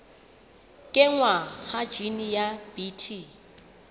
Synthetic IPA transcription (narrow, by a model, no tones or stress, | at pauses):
kʼɪŋwahḁd͡ʒinijab̥itʰi